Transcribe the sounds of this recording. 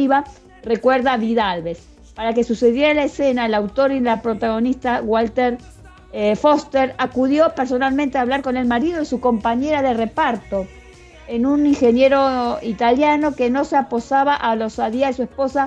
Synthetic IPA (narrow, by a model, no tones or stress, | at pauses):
iβa | re̞kweɾðaβiðalβes | paɾake̞suse̞ðjeɾalaesenaelawt̪o̞ɾilapɾo̞t̪aɣo̞nist̪aɣwalt̪eɾ | fo̞st̪eɾakuðjo̞peɾs̬o̞nalment̪eaːβlaɾko̞ne̞lmaɾiðoisuko̞mpaɲe̞ɾaðe̞re̞paɾt̪o̞ | enuniŋxe̞nje̞ɾo̞it̪aljano̞keno̞seapo̞saβaʔalo̞saðiaðesue̞spo̞sa